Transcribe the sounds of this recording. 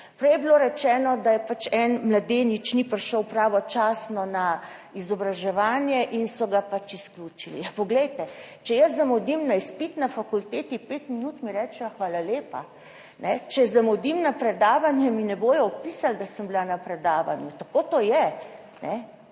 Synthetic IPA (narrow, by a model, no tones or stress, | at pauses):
pɾɛjɛbloɾɛt͡ʃɛːnɔd̪ajɛpat͡ʃɛnmlad̪enit͡ʃnipɾʃəwpɾaːʋɔt͡ʃaːsnɔnaizɔbɾaʒɛʋaːnjɛʔinsɔɡapat͡ʃiskluːt͡ʃilḭjapɔɡlɛjt̪ɛ | t͡ʃɛjəszamɔd̪imnaispit̪nafakult̪eːt̪ipeːt̪minut̪miɾɛt͡ʃɛlaxʋaːlaleːpa̰ | nɛt͡ʃɛzamɔd̪imnapɾɛd̪aːʋanjɛminɛboːjɔɔpisald̪asəmblanapɾɛd̪aːʋa̰njut̪akoːt̪oːjɛ | nɛ